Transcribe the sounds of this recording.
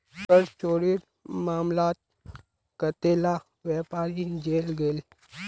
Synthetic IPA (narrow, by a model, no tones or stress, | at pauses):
pəɾt͡ʃoːɽiːɾ | maːmlaːt̪̚ | kət̪eːla | ʋɛpaːɾind͡ʑeːlɡeːl